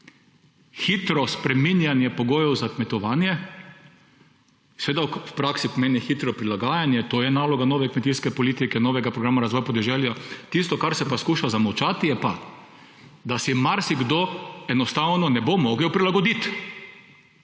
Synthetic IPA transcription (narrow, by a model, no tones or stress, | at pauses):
xit̪ɾɔspɾɛminjanjɛpɔɡoːjɔwzakmɛt̪ɔʋaːnjɛ | seʋeːd̪awpɾaksipomeːnixit̪ɾɔpɾilaɡaːjanjɛt̪oːjɛnaːlɔɡanoːʋɛkmɛt̪iskɛpɔliːt̪ikɛnoːʋɛɡapɾɔɡɾaːmaɾazʋɔjapɔd̪ɛʒɛljat̪ist̪ɔkaɾsɛpaskuːʃazamɐwt͡ʃat̪ijɛpa | d̪asimaɾsiɡd̪oɛnɔst̪awnɔnɛbomɔɡliwpɾilaɡɔd̪it̪